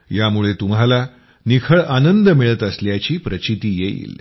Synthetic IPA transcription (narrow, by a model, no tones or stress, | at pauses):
jamuɭet̪umɦala | nikʰəɭanənd̪əmiɭət̪əsljat͡ɕiːpɾət͡ɕit̪iːjeḭl